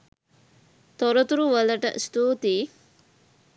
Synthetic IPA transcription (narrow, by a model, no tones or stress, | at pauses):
t̪oɾot̪uɾuʋɐlɐʈɐ̰ʔst̪uːt̪iː